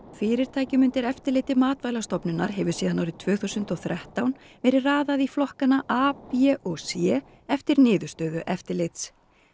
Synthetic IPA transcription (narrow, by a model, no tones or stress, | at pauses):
fɪːɾɪɾ̥t̪ʰaːjcɪmʏnt̪ɪɾɛft̪ɪɾlɪːt̪ɪmaːt̪vajlast̪ɔpnʏna̰ɾ̥ɦɛvʏ̥siːðanːawɾɪ̥t̪ʰvœːθuːsʏnt̪ɔɣθɾɛht̪awn | vɛːɾɪraːðaðiflɔhkanaʔaːpjɛʔɔɣsjɛː | ɛft̪ɪɾnɪːðʏst̪œːɥðʏʔɛft̪ɪɾlɪjt̪s